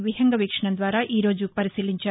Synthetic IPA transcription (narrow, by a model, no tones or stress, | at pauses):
ʋiɦɐŋɡɐʋiːkʂɐɳɐnd̪ʋaːɾɐʔiːɾoːd͡ʒupɐɾisiːliɲt͡ʃɐ